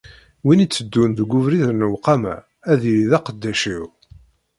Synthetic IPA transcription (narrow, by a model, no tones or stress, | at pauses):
winit͡sːəd̪ːunðəɡʷːʊvɾiðənəwqːɑmæ̰ | æðiliðæqəd̪ːæʃiw